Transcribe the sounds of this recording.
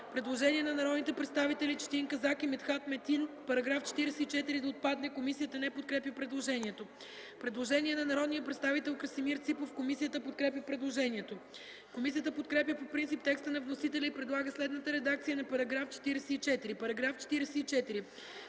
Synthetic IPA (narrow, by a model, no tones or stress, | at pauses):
pɾɛd̪lˠoʒɛniɛnɐnɐɾɔd̪nit̪ɛpɾɛt̪st̪avit̪ɛlit͡ʃt̪iŋkɐzakimɛt̪xat̪mɛt̪inpɐɾɐɡɾaft͡ʃɛ̥t̪iɾɛsɛit͡ʃɛt̪iɾid̪ɐot̪̚pad̪nɛkomisijət̪ənɛpot̪̚kɾɛpʲjəpɾɛd̪lˠoʒɛniɛt̪o | pɾɛd̪lˠoʒɛniɛnɐnɐɾɔd̪nijəpɾɛt̪st̪avit̪ɛlˠkɾəsimiɾt̪sipofkomisijət̪əpot̪̚kɾɛp̬ʲjəpɾɛd̪lˠoʒɛniɛt̪o | komisiət̪əpot̪kɾɛp̬ʲjəpopɾint̪sip̚t̪ɛkst̪ənɐvnosit̪ɛlʲɛipɾɛd̪lˠaɡəslɛd̪nət̪əɾɛd̪akt̪sijənɐpɐɾɐɡɾaft͡ʃɛ̥t̪iɾɛsɛit͡ʃɛt̪iɾipɐɾɐɡɾaft͡ʃɛ̥t̪iɾɛsɛit͡ʃɛt̪iɾi